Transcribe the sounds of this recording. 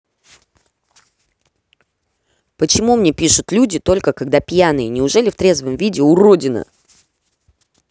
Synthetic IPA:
pət͡ɕɪmumnʲepʲiʂʊt̪lʲudʲɪt̪o̞lʲkəkɐɡd̪apʲjanɨjənʲɪʊʐɛlʲɪft̪ɾʲe̞zvəmvʲidʲɪʊɾo̞dʲɪnə̰

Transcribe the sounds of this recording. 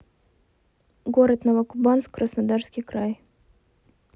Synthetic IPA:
ɡoɾət̪nəvɐkʊbɑnskːrəsnad̪arskʲɪjkɾaj

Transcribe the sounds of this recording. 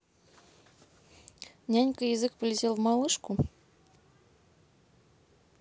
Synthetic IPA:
nʲænʲkəjɪzɨkpəlʲɪtʲelˠvmɑlˠɨʂku

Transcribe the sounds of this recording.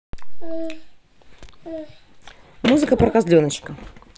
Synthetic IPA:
muzɨkɐpɾɐkazd̪lʲɔnɐt͡ɕkɐ

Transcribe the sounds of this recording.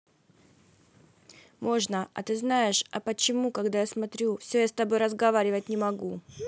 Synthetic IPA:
mo̞ʐnəʔɐ̰t̪ɨznaɪʂɐpət͡ɕɪmukɐɡd̪ajasmɐt̪ɾʲufsʲɵjast̪ɐbo̞jɾəzɡɐvaɾʲɪvət̚ʲnʲɪmɐɡu

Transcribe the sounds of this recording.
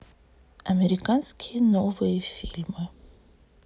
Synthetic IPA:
ʔameɾikanskʰinovejfilm

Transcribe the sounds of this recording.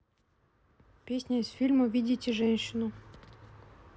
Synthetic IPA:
pʲesʲnʲaisfʲilʲmuvʲidʲitʲɪʐɛnʲɕːɪnu

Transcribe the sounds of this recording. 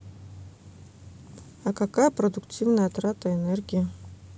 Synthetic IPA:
ɐkakajɐpɾɐd̪ʊktʲʰivnɐjat̪ɾat̪ɐenerɡʲijə

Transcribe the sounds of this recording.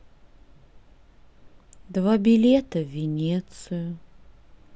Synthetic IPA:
d̪vabʲɪlʲet̪əvʲɪnʲet̪sɨjʊ

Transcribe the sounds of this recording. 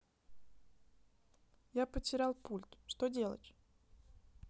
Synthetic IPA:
japətʲɪɾʲalˠpulʲt̪ʂt̪odʲe̞lˠə̰tʲ

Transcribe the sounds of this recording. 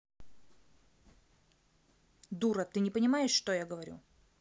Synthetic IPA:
d̪uɾət̪ɨnʲɪpənʲɪmajɪʂːt̪ojaɡəvɐɾʲṵ

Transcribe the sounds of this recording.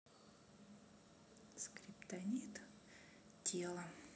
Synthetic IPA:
skɾʲɪpt̪ɐnʲit̪ | tʲʰelˠə

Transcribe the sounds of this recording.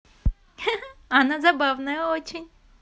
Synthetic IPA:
ɐnazɐbavnɐjɐot͡ʃinʲ

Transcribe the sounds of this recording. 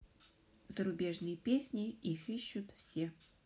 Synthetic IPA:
zəɾʊbʲeʐnɨjəpʲesʲnʲɪixiɕːʊt̪fsʲe

